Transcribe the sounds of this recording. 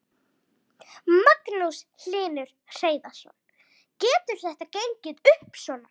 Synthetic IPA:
maknuwsl̥ɪːnʏɾ̥r̥eːjðasɔ̰n | cɛːt̪ʏɾ̥θɛht̪acejɲcɪðʏhpsɔːna

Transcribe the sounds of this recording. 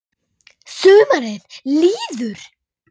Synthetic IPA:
sœːmaɾɪðliːðʏɾ̥

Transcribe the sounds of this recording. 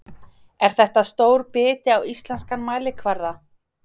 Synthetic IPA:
ɛɾ̥θɛht̪ast̪oːwɾpɪːt̪ɪawist̪lɛnskanmaːjlɪkʰvaɾða

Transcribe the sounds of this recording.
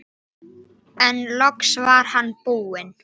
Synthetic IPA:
ɛnlɔksvaɾ̥hanːpuːɪn

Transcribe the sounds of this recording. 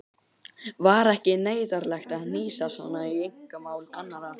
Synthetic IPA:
vaɾɛhcɪneːjðaɾlɛxt̪aðniːsasvɔ̰nːaiejŋ̥kʏmaːwlanːaɾa

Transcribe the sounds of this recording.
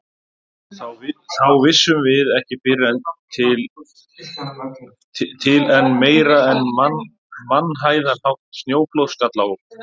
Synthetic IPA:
θawvθawvɪsːʏmvɪðɛhcɪpɪrːɛnt̪ʰɪl | t̪ʰɪlɛnmeːjɾaɛnman | manːɦaːjðaɾhawht̪snjoːwklowskat̪laːwʏ

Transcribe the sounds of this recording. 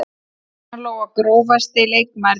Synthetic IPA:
lowɣakɾoːwvast̪ɪlejkmaɾ

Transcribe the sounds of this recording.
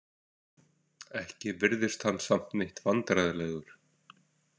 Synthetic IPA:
ɛhcɪvɪɾðɪst̪hanːsam̥t̪nɪht̪vant̪ɾaːjðlɛːɣʏɾ̥

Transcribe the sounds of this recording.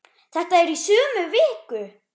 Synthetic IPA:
θɛht̪aɛɾisøːmʏvɪːkʏ

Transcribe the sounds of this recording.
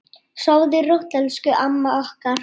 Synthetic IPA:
soːɣðɪrowht̪ɛlskʏʔamːaɔhkar

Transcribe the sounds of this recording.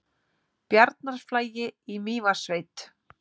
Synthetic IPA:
pjaɾt̪̚naɾ̥flaːjɪimiːvasveːjt̪

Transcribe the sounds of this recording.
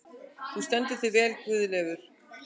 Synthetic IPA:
θust̪ɛnt̪ɪ̥θɪvɛːlkvʏːðʏlɛːɣʏɾ̥

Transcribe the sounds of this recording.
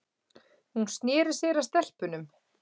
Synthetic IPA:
hunst̪njɛːɾɪ̥sɛːɾast̪ɛl̥pʏnʏm

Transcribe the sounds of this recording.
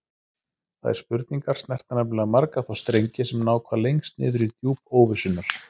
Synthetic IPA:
θa̰ɛ̰ɾ̥spʏɾt̪niŋkaɾ̥st̪nɛr̥t̪anapɪlamaɾkaθawst̪ɾejɲcɪsɛmnaːwkʰvalejŋst̪nɪ̰ːðʏɾit̪juːpoːwvɪsʏnaɾ̥

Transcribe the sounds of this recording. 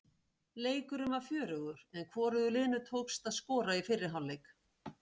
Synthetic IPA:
leːjkʏɾʏmafjœːɾʏɣʏɾ̥ɛnkʰvɔːɾʏðʏlɪːnʏt̪ʰoːwkst̪aðskɔːɾaifɪrːɪɾ̥ɦawlːejk

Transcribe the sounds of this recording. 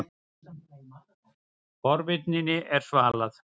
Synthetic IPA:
fɔɾvɪt̪̚ninɪʔɛɾ̥svaːlaθ

